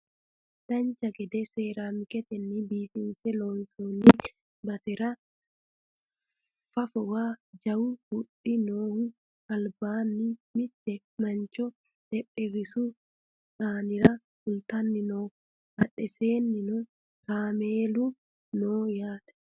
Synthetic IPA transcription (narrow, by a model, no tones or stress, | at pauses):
d̪̥ɐnt͡ʃɐɡɛd̪ɛseːɾaːmkɛt̪ɛnːɪbiːfɪnsɛloːnsɔnɪ | bɐsɛɾɐ | fɐfɔwaːd͡ʒɐwʊhʊᶑɪnoːhʊ | ɐlbaːnːɪmɪt̪ːɛ | mɐnt͡ʃɔ | d̪̥ɛᶑʼɪrɪsʊ | saːnɪɾɐ | hʊlt̪ɐnːɪnoː | hɐᶑɛseːnːɪnʊ | kaːmeːlu | noːjaːt̪ɐ̥